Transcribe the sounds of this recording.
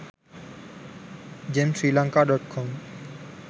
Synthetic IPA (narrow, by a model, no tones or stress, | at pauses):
d͡ʒɛ̃msɹilãŋkaɖɔt̚kʰɔm